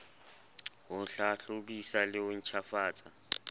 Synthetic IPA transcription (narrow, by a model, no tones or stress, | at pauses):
wʊnɬaɬoɓisalɪwʊn̩t͡ʃʰafaːt͡sʼa